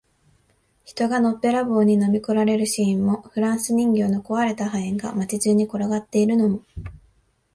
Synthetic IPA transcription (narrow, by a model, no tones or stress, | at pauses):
çi̥t̪o̞ɡano̞pːe̞ɾabo̞ːɲ̟ino̞mʲikoɾaɾe̞ɾɯ̟ɕĩːmːo̞ɸɯ̟ɾãɰ̃sɨɲ̟ĩŋɡʲo̞ːno̞ko̞βaɾe̞t̪aɦaẽŋɡa̰mat͡ɕiʑɨːɲ̟ːiko̞ɾoɡat̪ːe̞iɾɯ̟no̞mo̞